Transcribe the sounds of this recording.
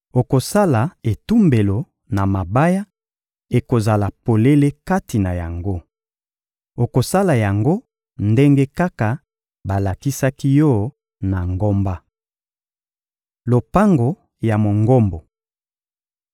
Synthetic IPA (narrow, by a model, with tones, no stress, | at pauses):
o˨ko˨sa˦la˨e˨tu˦mbe˨lo˨ | na˨ma˨ba˦ja˦ | e˨ko˨za˨la˨po˨le˦le˦ka˦ti˨na˨ja̰˨ŋɡo˦ | o˨ko˨sa˦la˨ja˨ŋɡo˦ | nde˦ŋɡe˦ka˦ka˨ | ba˨la˨ki˦sa˦ki˦jɔ˦˨ | na˨ŋɡo˦mba˦ | lo˨pa˦ŋɡo˨ | ja˨mo˨ŋɡo˦mbo˨